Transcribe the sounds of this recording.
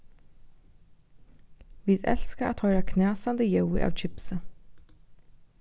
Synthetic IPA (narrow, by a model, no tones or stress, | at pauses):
ʋiːd̪ɛ̰lskəʔa̰ːt̪hɔʏɾɑkʰnæːsɑnd̪əjœʊɪ̰ʔɑ̰ːʋc͡çɪpsə